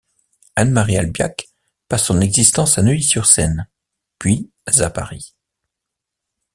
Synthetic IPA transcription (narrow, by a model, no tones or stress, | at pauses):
anmaʁja̰lbja̰k | pasːɔ̃nɛɡzist̪ɑ̃sanəisyʁsɛn | pɥi | zapa̰ʁi